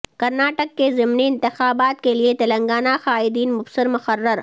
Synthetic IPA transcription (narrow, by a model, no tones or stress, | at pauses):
kɐɾnaːʈəkːezɪmniɪnt̪ɪxaːbaːt̪̚keliet̪ɐlɐ̃ŋɡaːnaxaːɪd̪iːnmʊfsɪɾmʊxɐrːəɾ